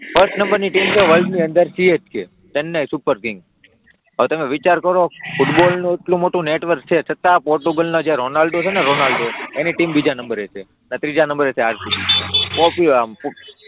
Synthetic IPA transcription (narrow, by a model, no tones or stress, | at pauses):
fʰəɾsʈnəmbəɾniʈimt͡ʃʰeʋəlɖniənd̪əɾsiet͡ʃkʰe | ʈənːajsupəɾkɪ̃ŋɡ | ɦəʋet̪əmẽʋit͡ʃaɾkəɾofuʈbolnũeʈlũmoʈũneʈʋəɾk̚t͡ʃʰet͡ʃʰət̪ːãpɔɾʈuɡəlnod͡ʒaɾonalɖot͡ʃʰeneɾonalɖoeniʈimbid͡ʒanəmbəɾet͡ʃʰe | nat̪ɾid͡ʒanəmbəɾet͡ʃʰeaɾt̪ikipopip